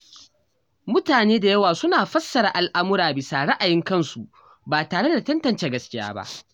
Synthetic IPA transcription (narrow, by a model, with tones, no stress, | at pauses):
mʊ˦taː˨neː˦da˨jɐ˦waː˨sʊ˦naː˨ɸɐ˦sːɐ˨ɾa˨ʔa˨lʔa˦mʊ˦ɾaː˨bɪ˨sa˨ɽɐ˦ʔa˨jɪ˦ŋkɐ˦˨nsu˨ | baː˨taː˨ɽe˦da˨tɐ˦ntɐ˨nt͡ʃeː˦ɡɐ˦skʲɪ˦ja̰ː˦ba̰˦ʔ